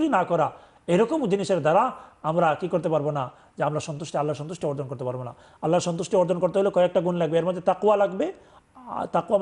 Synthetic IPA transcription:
ɾinakɔɾa | eɾɔkomd͡ʑiniʃeɾd̪aɾaamɾakikoɾt̪epaɾbona | d͡ʑeamɾaʃɔnt̪uʃʈealːaɾʃɔnt̪uʃʈeɔɾd͡ʑ̪onkoɾt̪epaɾbona̰ | alːaɾʃɔnt̪uʃʈeɔɾd̪ʱonkoɾt̪eɦoleokɔeek̚ʈaɡunlaɡbeeɾmod̪ʱːet̪aqwalaɡbe | t̪aqwam

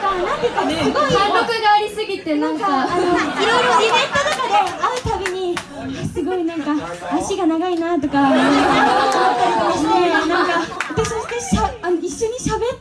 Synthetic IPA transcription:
kanãnt̪ekːaesɨɡoiãɾokɯ̟ɡaːɾʲisɨɡʲit̪enãŋkkaanoiɾojɾoibẽ̞nt̪o̞d̪akad̪e̞aɾɯ̟t̪aɡʲiɲ̟i | asɨɡo̞inãŋkaː | ɕiɡanaɡainat̪o̞kaat̪oaomat̪ːaɾʲit̪okaɕt̪enãŋkad̪esokaɕaanoiɕːo̞ɲ̟iɕabe̞t

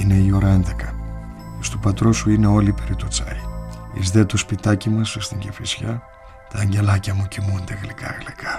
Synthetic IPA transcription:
ine̞io̞ɾɐe̞nd̪e̞kɐ | st̪opɐt̪ɾo̞suine̞o̞lipeɾit̪ot͡sɐ̰ɾiḭzðet̪ospit̪ɐcimɐsst̪iɲɟefisçɐ | t̪ɐːɲɟe̞lɐcɐmucimunt̪eɣlikɐ̰ɣlikʰɐ̥

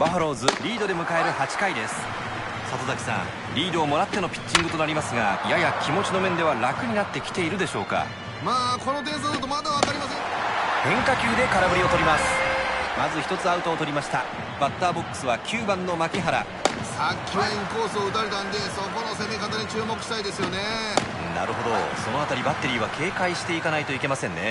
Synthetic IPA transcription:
b̥aɦaɾo̞ːzɨɾʲiːd̪o̞d̪e̞mɯ̟kae̞ɾɯ̟hat͡ɕi̥kaid̪e̞sɨ̥ | sat̪o̞zakʲi̥sã̰ | ɾʲiːd̪o̞ːmo̞ɾat̪ːe̞no̞pʲi̥t͡ɕt͡ɕːĩŋɡɯt̪o̞naɾʲimasɨɡa̰jajakʲimo̞t͡ɕino̞mẽ̞nd̪e̞βaɾakɯ̟ɲ̟inat̪ːe̞kʲi̥t̪e̞iɾɯ̟d̪e̞ɕo̞̰ːka̰ | maːko̞not̪̬ẽs̬od̪ɯt̪omad̪aβak̪aɾʲimasẽhẽ̞ŋkakʲɨːd̪e̞kaɾabɯ̟ɾio̞t̪o̞ɾʲimasɨ̥mazɨçi̥t̪o̞t͡sɨaɯ̟t̪o̞ːt̪o̞ɾʲimaɕi̥t̪a | b̥at̪ːaːbo̞kːɯ̥sɨβakʲʰɨːbãnːo̞makʲiɦaɾa̰ | sakʲʰːeẽŋko̞ːsoːɯ̟t̪aɾet̪ãnd̪e̞so̞ko̞no̞se̞mekat̪aɲit͡ɕɨːmo̞kɯ̟̥ɕi̥t̪aid̪e̞sɨjo̞ne | na̰ɾɯ̟ɦo̞d̪o̞̰so̞no̞at̪aɾʲibat̪ːe̞ɾʲiːβakʰe̞ːkaiɕi̥t̪e̞ikanait̪o̞ike̞masẽ̞nːe̞̰

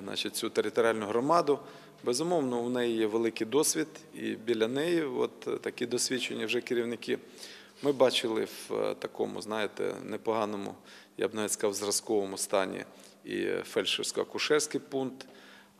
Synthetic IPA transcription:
nɑ̰t͡ʃit̚ʲt͡sʲut̪eɾʲɪt̪ɔɾʲɪɑlʲnʊɦɾɔmɑd̪ʊ | bɛzʊmɔwnɔʊnɛjijɛʋelˠɪkɪjd̪ɔsʲʋʲid̪ḭbʲilʲːɐnɛjiʋɔ̰t̪ːɐkid̪ɔsʲʋʲit͡ʃenʲːɐwʒɛkɪɾʲiwnɪkɪ | mɪbɑt͡ʃɪlˠɪ̰wt̪ɐkɔ̰mʊ̰znɑjet̪ɛ̰nɛpɔɦɑnɔmʊ̰ | ja̰bnɐʋɛsʲkzɑwzrɐskɔʋɔmʊst̪ɑnʲḭ | ḭfɛlʲʃewsʲkɔɐ̰kʊʃɛrsʲkɪjpunkt̪

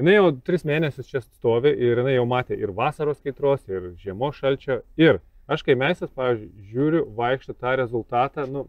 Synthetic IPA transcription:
jɪnɐɪjɛʊt̪ʲɾʲɪsmʲeːnʲɛsʲʊst͡ʃʲɛsst̪oːʋʲɪʔɪɾjɪnɐɪjɛʊmɑːt̪ʲeːʔɪɾʋɑːsɐɾoːskʲɛɪt̪ɾoːsɪɾʒʲiɛmoːʃɐlʲt͡ʃʲoːɪr | ɐʃkɐɪmʲɛɪsʲt̪ʲɐspɑːʋʲiːzʲd͡ʒʲʊɪʒʲuːɾʲʊʋɐɪkʃt̪ʊt̪ɑːɾʲɛzʊlˠt̪ɑːt̪ɑnʊ

